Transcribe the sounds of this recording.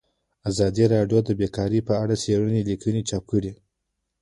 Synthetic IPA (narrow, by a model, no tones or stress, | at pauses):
azɑd̪iɾɑɖjod̪əbekɑɾipəaɽaseɽənelikʰənet͡ʃɑp̚kəɽi